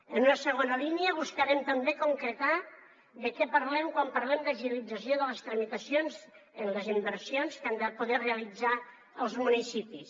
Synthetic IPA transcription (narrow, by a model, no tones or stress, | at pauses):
ənunəsəɣ̞onəliniəβ̞uskəɾɛmt̪əmbekuŋkɾət̪a | ðəkɛpəɾlɛmkwampəɾlɛmd̪əʒilid͡zəsioðələst̪ɾəmit̪əsionz | ənləzimbəɾsionskand̪əpuðɛreəlid͡za | əlˠzmunisipis